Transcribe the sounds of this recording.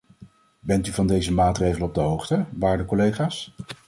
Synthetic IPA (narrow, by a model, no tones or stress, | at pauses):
bɛntyvɑndejzəmaːtrejχələnɔb̚dəɦowχtəʋaːɹdəkɔlejχaːs